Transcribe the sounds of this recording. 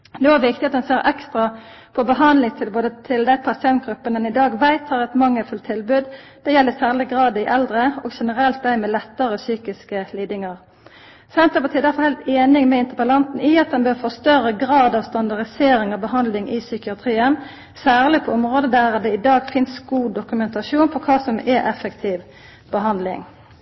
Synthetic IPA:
d̪oːæʋɪk̚t̪ɪɑt̪̚d̪ɛnseːʁʔɛkst̪ʁɑ | pʰɔbəɦɑnd̪lɪŋt̪ʰɪboːd̪ət̪ʰɪld̪æɪpʰɑsɪɛnt̪̚ɡ̥ʁʉpːənɛnɪd̪ɑːɡʋæɪt̪ʰɑːʁɛt̪mɑŋːəfʉlt̪ʰːɪlbʉːd̪ | d̪̥ɛjɛlːəsæːʁlɪɡʁɑːd̪ɪʔɛld̪ʁəɔɡʃɛnəɾɛlt̪̚d̪æɪmɛlɛt̪ːəʁəsyːkɪskəliːd̪ɪŋɑʁ | sɛnt̪əpɑt̪ʰiːd̪æfɔʁhæɪlt̪eːnɪŋmɛɪnt̪əpəlɑnt̪n̩ɪɑt̪̚d̪ɛnbøːʁfɔst̪œɾəɡʁɑːd̪ɑːʋst̪ɑnd̪ɑʁd̪ɪseːɾɪŋɑʋbəɦɑnd̪lɪŋɪsʏkɪɑt̪ʰʁiːən | sæːʁlɪpʰɔɔmʁoːd̪əd̪æʁd̪ɛɪd̪ɑːɡfɪnsɡuːd̪ʊkʉmɛnt̪ɑʃuːnpʰɔkʰɑːsɔmɛʔɛfəkt̪ʰiːʋ | b̥əɦɑnd̪lɪ̰ŋ

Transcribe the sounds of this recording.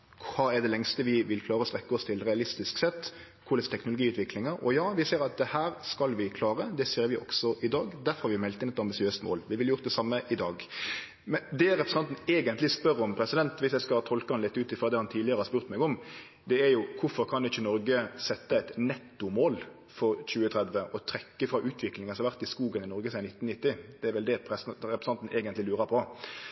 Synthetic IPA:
kkʰɑːɛd̪ɛlɛŋst̪əʋɪʋɪlkʰlɑːɾəɔst̪ɾɛkːəɔst̪ʰɪlɾɛɑlɪst̪ɪsksɛt̪ː | kʰʊɾlɛst̪ʰɛknʊlʊɡiːʉːt̪ʰʋɪklɪŋəɾɔ̰jɑːʋɪseːɾɑt̪̚d̪ɛhæːɾskɑlʋɪkʰlɑːɾəd̪ɛseːɾʋɪʔɔ̰ksɔʔɪd̪ɑːɡd̪æɾfɔɾhɑɾʋɪmɛlt̪ɪnɛt̪ɑmbɪsɪøːst̪mo̰ːlʋɪʋɪljʊɾt̪d̪ɛsɑmːəʔɪd̪ɑːɡ | mɛd̪ɛɾɛpɾɛsɑnt̪n̩eːɡənt̪lɪspœɾɔmpʰɾɛsɪd̪ɛnt̪ʋɪsjæɪskɑt̪ʰɔlkəhɑnlɪt̪ːʉːt̪ɪfɾɑd̪ɛhɑnt̪ʰiːlɪəɾəhɑɾspʉɾt̪mɛɡɔm | d̪ɛæɾjʊkʰʊfɔɾkʰɑnɪçənɔɾɡəsɛt̪ːəæɪt̪nɛt̪ːʊmoːl | fɔɾc͡çʉːət̪ʰɾɛd̪ʋəʔɔt̪ʰɾɛkːəfɾɑʔʉːt̪ʰʋɪklɪŋənsɔɑʋæɾt̪ɪskuːɡənɪnɔɾɡəsænɪt̪ːnnɪt̪ːɪd̪̥ɛæɾʋɛld̪ɛɾɛpɾsɑnt̪n̩ʔeːɡənt̪lɪlʉːɾəɾpʰɔ

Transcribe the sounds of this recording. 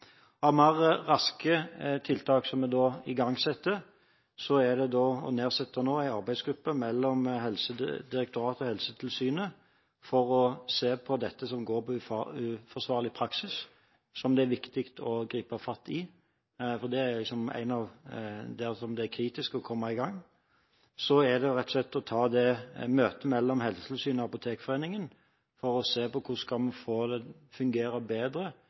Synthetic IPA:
ɔɑʋmɑʁəʁɑskət̪ʰɪlt̪ʰɑːksɔmːɛd̪ɔːɪɡɑŋːsɛt̪ːə | sɔæd̪ɛd̪ɔːɔ̰neːʁsɛt̪ːənoːæɪɑɾbæɪsɡɾʉpːəmɛlːɔmɦɛlsəd̪ɪɾɛkt̪ʊɾɑːt̪ɔhɛlsət̪ʰɪlsyːnə | fɔɾɔseːpʰɔd̪ɛt̪ːəsɔmɡoːɾpʰɔʉʉfɔʁsʋɑːɾlɪpʰɾɑksɪs | sɔmd̪ɛæɾʋɪkt̪ɪkt̪ʰɔɡɾiːpɑfɑt̪ːɪ | fɔʁd̪ɛæɾlɪksɔmæ̰ɪnɑʋd̪ɛsɔmd̪ɛæɾkʰɾiːt̪ɪskɔkʰɔmːɑɪɡɑŋː | sɔæɾd̪ɛʊɾɛt̪ːɔ̥slɛt̪ːɔt̪ʰɑːd̪ɛmøːt̪əmɛlːɔmɦɛlsə̥t̪əlsyːnɔɑpʊt̪ʰeːkfɔʁeːnɪŋən | fɔɾɔseːpɔkʰʊskɑlmɑfoːd̪ɛ | fʉŋɡeːɾəbeːd̪ɾə

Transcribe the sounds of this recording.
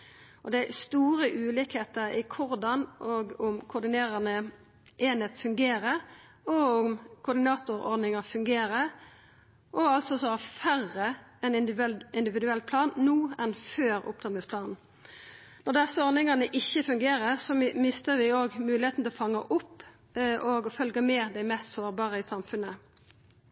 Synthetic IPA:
ʔɔd̪ɛæst̪uːɾəʔʉːlɪkheːt̪əɾɪkʰʊɾd̪ɑnʔoːɡʊmkʰʊd̪ɪneːʁɑnə | ʔeːneːt̪fʉŋɡeːɾəɾ | ɔʊmkʰʊd̪ɪnɑːt̪ʊɾɔ̰ɾd̪nɪŋɑfʉŋɡeːɾə | ʔɔɑlt̪sɔsɔhæfæʁːəɛnɪɪnd̪ɪʋɪd̪ʉɛlːpʰlɑːnːuːɛnføːɾʊ̰p̚t̪ʰɑt̪ɪŋspʰlɑːnn̩ | nɔd̪ɛsəɔɾnɪŋɑnəʔɪçːəfʉŋɡeːɾəɾsɔmɪst̪əɾʋɪoːɡmʉːlɪheːt̪n̩t̪ɛlɔfɑŋːɑʔʊpː | ʔɔːɡɔfœlɡəmeːd̪æɪmɛst̪soːɾbɑːʁəɪsɑmfʉnə

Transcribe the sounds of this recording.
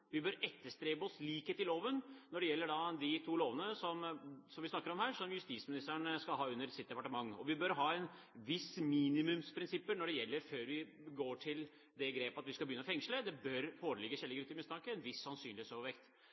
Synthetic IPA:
ʋɪbœɾɛt̪ːəʂt̪ɾeːbəɔsliːkheːt̪ɪloːʋənnɔɖɛjɛlːəɖɑd̪ɪt̪ʰuːloːʋənəsɔmsɔmʋɪsnɑkːəɾɔmhæːɾʂɔmjʉst̪iːsmɪnɪst̪əæɳskɑlɦɑːʉnːəɾsɪt̪̚d̪ɛpɑʈəmɑŋːɔ̰ʋɪbœɾɦɑːɛn | ʋɪsmiːnɪmʉmspʰɾɪnsɪpːənɔɖɛjɛlːəɾføːɾʋɪ | ɡoːʈʰɪl | d̪ɛɡɾeːpɑt̪ʋɪskɑlbəjʏnːəɔfɛŋʂləd̪ɛbœɾfoːɾəlɪɡːəçɛlːɪɡɾʉt̪ːɪmɪst̪ʰɑkəɛnʋɪsːɑnsyːnlɪeːsoːʋʋɛkt̪

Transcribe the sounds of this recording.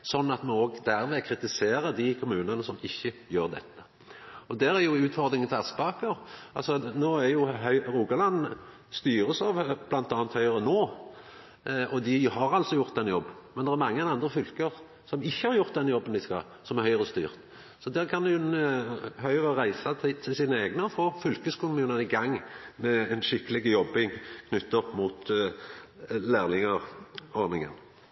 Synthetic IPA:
sɔnːɑt̪mɑoːɡd̪æɾʋeːkʰɾɪt̪ɪseːɾəd̪ɪkʰʊmʉːnənəsɔmɪçːəjøːɾd̪ɛ̰t̪ʰːə̥ | ɔd̪æɾæɾjʊʉːt̪fɔʁd̪ɾɪŋənt̪ʰæt̪spɑːkəɾɑlsɔnoːæɾjʊɦœɾuːɡɑlɑnː | st̪yːɾəsɑʋblɑnt̪ɑːnt̪hœʏʁənoː | ʔɔd̪ɪhɑɾɑlsɔjʊʁt̪̚d̪ɛnjɔbːmɛnd̪ɛʁæɾmɑŋːəɛnɑnd̪ɾəfʏlkəʁ | sɔmɪçːəhɑɾjʊʁt̪̚d̪ɛnjɔbːənd̪ɪskɑ̰ | sɔmæɾhœʏʁəst̪y̰ːʁt̪ | sɔd̪æːʁkʰɑnn | hœʏəʁəʁæɪsɑt̪ʰɪt̪ʰɪlsiːnəeːɡnəfoːfʏlkəskʊmʉːnənɪɡɑŋːmɛɛnʃɪkːəlɪɡəjɔbːɪŋkʰnʏt̪ːɔpːmuːt̪ | læːʁlɪŋəʁɔɾnɪŋə̰n

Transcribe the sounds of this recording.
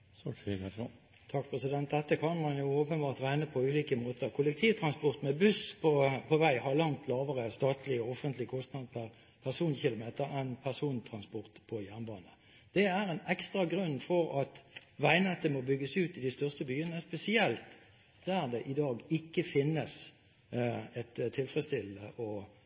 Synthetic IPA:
t̪ʰɑk̚pʰɾɛsɪd̪ɛnt̪̚d̪ɛt̪ːəkʰɑnmɑnjʊoːpənbɑːʁt̪ʁæɪnəpʰɔʉːliːkəmoːt̪əʁkʰʊlɛk̚t̪ʰiːʋt̪ʰɾɑnspɔʁt̪mɛbʉspʰɔpʰɔʋæɪhɑʁlɑŋt̪ʰlɑːʋəʁəst̪ɑːt̪ʰlɪɔɔfənt̪lɪkʰɔst̪nɑd̪pʰæʁ | pʰæʁsuːnçɪlʊmeːt̪əɾɛnpʰæʁsuːnt̪ʰɾɑnspɔɾt̪pʰɔjæʁnbɑːnə | d̪̥ɛæʁɛɪnɛkst̪ɾɑɡɾʉnːfɔɾɑt̪ʋæɪnɛt̪ːəmɔbʏɡːəsʉːt̪ɪd̪ɪst̪œʁst̪əbyːənəspɛsɪɛlt̪ | d̪̥æʁd̪ɛʔɪd̪ɑːɡɪkːəfɪnːəs | ɛt̪t̪ʰːɪlfʁɛst̪ɪlːəʔɔ

